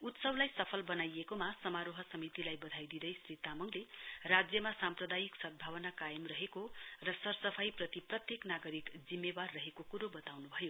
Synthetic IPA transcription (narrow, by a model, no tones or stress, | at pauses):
ut̪sʌwlajsʌpʰʌlbʌnajekomasʌmaɾoɦʌsʌmit̪ilajbʌd̪ʱajd̪id̪ʌjsrit̪amʌŋlerad͡zjʌmasamprʌd̪ajiksʌd̪̚bʱawʌnakajʌmrʌɦekorʌsʌrsʌpʰajprʌt̪iprʌt̪jeknaɡʌɾikd͡zimːebarːʌɦekokuɾobʌt̪awnubʱʌjo